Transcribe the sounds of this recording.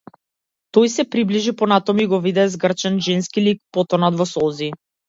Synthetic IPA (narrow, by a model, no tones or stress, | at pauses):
t̪ɔjsɛpɾibliʒipɔnat̪ɔmuiɡɔvid̪ɛzɡr̩t͡ʃɛnʒɛnskilik̚pɔt̪ɔnad̪vɔsɔlˠzi